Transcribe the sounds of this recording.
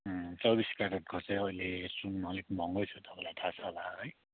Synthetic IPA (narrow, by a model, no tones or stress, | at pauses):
t͡sʌbiskaɾʌt̚ɡʰʱʌt͡sʌjʌjlesunmʌlikmʌŋɡʌjt͡sʰut̪ʌpãlajt̪ʰat͡sʰʌlaʌj